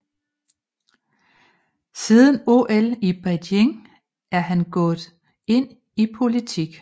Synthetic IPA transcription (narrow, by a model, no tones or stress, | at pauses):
siːðˠən̩o̝ʔelib̥æd̥eŋ | æɐɦænɡ̥ɔ̽ːð̩ˠ | e̝n̰ | ipʰo̝lit͡sʰiɡ̥